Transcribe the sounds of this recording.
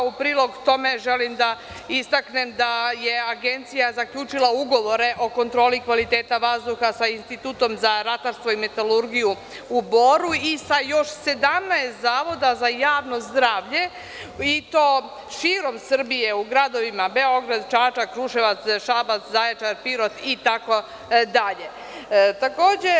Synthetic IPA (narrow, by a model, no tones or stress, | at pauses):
upɾiːlˠo̞ɡt̪o̞me̞ʒelimd̪a | ist̪akne̞md̪ajeaɡent̪sijazakʎuːt͡ʃilˠauɡo̞ʋo̞ɾe̞ʔo̞ko̞nt̪ɾo̞ːlikʋalit̪eːt̪aʋazd̪uxasainst̪it̪uːt̪o̞mzaɾat̪aɾst̪ʋo̞ime̞t̪aluɾɡiju | ubo̞ɾuisajo̞ʃse̞d̪amnaest̪zaːʋo̞d̪azajaːʋno̞zd̪ɾaːʋʎe̞ | it̪o̞ː | ʃiːɾo̞msr̩bije̞uɡɾad̪o̞ʋimabe̞o̞ɡɾad̪t͡ʃaːt͡ʃakɾuʃeʋat̪sʃabat̪szajat͡ʃaɾpiɾo̞t̪it̪ako̞ | d̪aʎe̞ | t̪ako̞ːd͡ʑe